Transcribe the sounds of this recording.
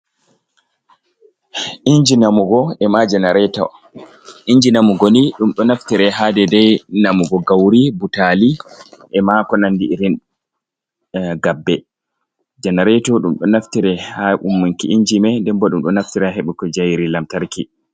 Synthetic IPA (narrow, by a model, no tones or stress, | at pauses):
ʔiɲd͡ʒinamuɡɔɛmad͡ʒɛnaɾɛtɔ̰ | ʔiɲd͡ʒinamuɡoniɗumɗɔnaftiɾɛɦadɛdɛjnamuɡɔɡawɾibutaliʔɛmakɔnandiiɾin | ɡabːɛ | d͡ʒɛnaɾɛtɔɗumɗɔnaftiɾɛhaʔumːuŋkiʔiɲd͡ʒimɛndɛmbɔɗumɗɔnaftiɾaɦeɓukɔd͡ʒajɾilamtaɾki